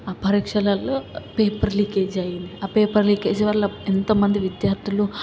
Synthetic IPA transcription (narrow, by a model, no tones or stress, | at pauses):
ɐpɐɾikʂɐlɐlpeːpɐɾliked͡ʒajiniapeːpɐɾliked͡ʒɐʋɐlɐent̪ɐmɐnd̪ʱiʋid̪jaːɾt̪ʰilu